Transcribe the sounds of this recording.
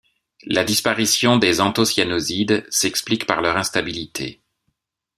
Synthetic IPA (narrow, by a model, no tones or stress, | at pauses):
lad̪ispaʁisjɔ̃d̪ezɑ̃t̪osjanɔzid̪sɛksplikpaʁlœʁɛ̃st̪abilit̪ʰḛ